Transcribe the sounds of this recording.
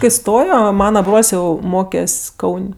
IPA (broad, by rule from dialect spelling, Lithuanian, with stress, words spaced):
kɐɪ ˈstoːjoː ˈmɑːnɐ ˈbroːlʲsʲ ˈjɛʊ ˈmoːkʲɛsʲ ˈkɐʊnʲ